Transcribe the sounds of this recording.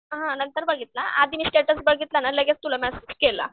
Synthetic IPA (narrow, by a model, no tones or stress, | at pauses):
ɦãnənt̪əɾbəɡʱit̪laʔad̪ʱinisʈeʈəsbəɡʱit̪lanaleɡest̪ulamɛsed͡ʑkela̰